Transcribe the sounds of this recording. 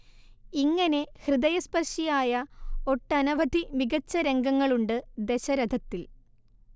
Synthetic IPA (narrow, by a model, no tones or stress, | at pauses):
iŋːɐne̞hrɨd̪ɐjɐspɐrʂijaːjɐo̞ʈːɐnɐʋɐd̪ʱimiɡɐt͡ɕːɐɾe̞ŋɡɐŋːɐɭuɳɖɨd̪e̞ɕɐɾɐd̪ʱɐt̪ːil